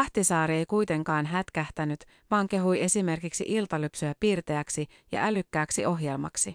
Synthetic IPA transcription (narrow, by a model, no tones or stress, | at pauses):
ɑht̪isɑːɾie̞jkujt̪e̞ŋkɑːnɦæt̪kæht̪ænyt̪ | ʋɑːŋke̞ɦuje̞sime̞rkiksḭʔilt̪ɑlypsyæpiːrt̪e̞æksi | jɑ̰ʔælykːæːksiʔo̞ɦje̞lmɑ̰ksi